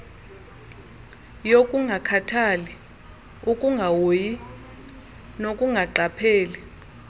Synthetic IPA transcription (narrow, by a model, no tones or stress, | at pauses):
jokʼuŋɡʱakʰatʰali | ukʼuŋɡʱawoji | nokʼuŋɡʱaǃapʰeːli